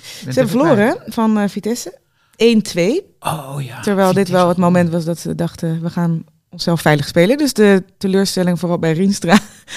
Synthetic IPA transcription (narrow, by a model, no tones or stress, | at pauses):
səɦɛbəfəɹloːɾəfɑnfitɛsə | eːjntʰʋej | təɹʋɛjlˠdɪtʋɛlˠətmomɛntʋɑsdɑtsədɑχtəʋəχaːn | ɔnsɛlˠfɛjləχspejləndøsdətəløːɹstɛlɪŋfoːrɑlˠbɛjrinstraː